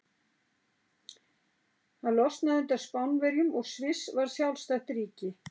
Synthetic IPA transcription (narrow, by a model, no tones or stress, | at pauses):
hanlɔst̪naðʏnt̪aɾ̥spawnvɛɾjʏmɔɣsvɪsvaɾ̥sjawlst̪aht̪riːcɪ